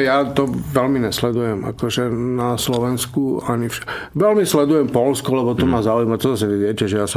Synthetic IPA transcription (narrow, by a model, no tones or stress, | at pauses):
jat̪ɔʋɛlmiɲɛslɛd̪ujɛma̰kɔʒɛnaslɔʋɛnskuaɲifʃḁk | ʋɛlmislɛd̪ujɛmpɔlskɔlɛbɔt̪ɔmazaujimat̪ɔzasɛnɛdɪɛcɛʒɛjas